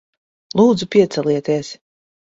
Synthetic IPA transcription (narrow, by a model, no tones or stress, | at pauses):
lˠuːd̪zupʲiɛt̪sɛlˠiɛt̪iɛs